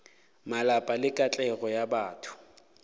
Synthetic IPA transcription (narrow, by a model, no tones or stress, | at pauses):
malapʼalɪkʼat͡ɬʼɛɣɔjabaːtʰʊ̥